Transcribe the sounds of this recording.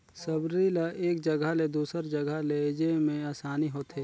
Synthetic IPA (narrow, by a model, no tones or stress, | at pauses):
sɐbɾilaʔeːk̚d͡ʒɐɡəled̪uːsəɾd͡ʒɐɡʱəled͡ʒemẽaːsaːniɦoːt̪ɦeː